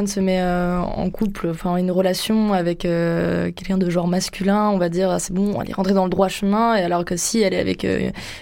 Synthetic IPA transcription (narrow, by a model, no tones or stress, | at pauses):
ɔnsəmɛøɑ̰̃kʰuplɑ̃fɛ̃ynʁəlasjɔ̃avɛkøkʲɛlkʲɛ̃d̪əʒɑ̃ʁmaskʲylɛ̃ɔ̃vad̪iʁəsɛbɔ̃ɛ̰lɛ̰ʁɑ̃t̪χed̪ɑ̃ləd̪ʁwaʃəmɛ̃ealɔʁkəsiɛlɛa̰vɛ̰kø̰